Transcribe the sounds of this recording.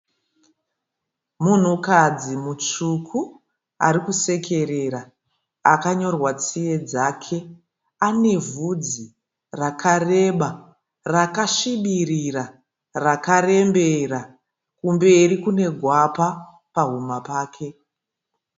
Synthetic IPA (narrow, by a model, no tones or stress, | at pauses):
mun̤ukad͡zimut͡ʂukʰu | a̰ɾikuse̞kʰe̞ɾe̞ɾa | akaɲo̞rwat͡sije̞d͡zaːkʰe̞ | ane̞vud͡zi | rakʰare̞ɓa | rakaʃiɓirira | rakare̞mbe̞ra | kumbe̞rikune̞ɡʱwapa | paɦumapaːkʰe̞